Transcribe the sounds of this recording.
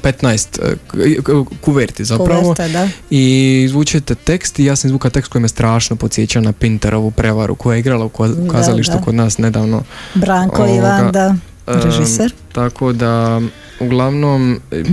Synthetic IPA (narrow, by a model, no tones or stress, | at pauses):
pet̪najst̪ | kuʋeɾt̪izapɾaʋo̞d̪aiːzʋuːt͡ʃet̪et̪e̞kst̪ijaːsamizʋuːkat̪e̞kst̪ko̞jimjest̪ɾaːʃnopotsjet͡ɕaonapint̪eɾo̞ʋupɾe̞ʋaɾṵkojajeiɡɾalˠaukukazaliʃt̪ukod̪naːsne̞d̪aːʋno̰bɾaŋooiʋaɡad̪a | ɾeʒiseɾt̪akʰod̪a | uɡlˠaʋnom